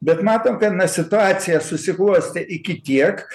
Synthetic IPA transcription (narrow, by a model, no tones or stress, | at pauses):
bʲɛt̪mɑːt̪oːmkɐt̪nɐsʲɪt̪ʊɑːsʲɪjɛsʊsʲɪklˠuɔsʲt̪ʲɛʔɪkʲɪt̪ʲiɛk